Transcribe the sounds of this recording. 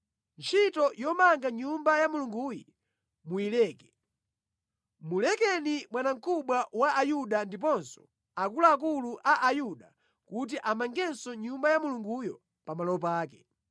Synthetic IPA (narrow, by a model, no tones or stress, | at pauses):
nt͡ʃʰitɔjɔmaŋɡaɲumbajamuluŋɡuji | muilɛːkɛ̥ | mulɛkɛnimwanaŋ̩kʰuɓwawaʔajuɗandip̬ɔnsɔ̥ | akulaːk̬uluʔaʔajuɗa | kut̬iʔamaŋɡɛnsɔɲumbajamuluŋɡujɔ | pamalɔɔp̬aːk̬ɛ̥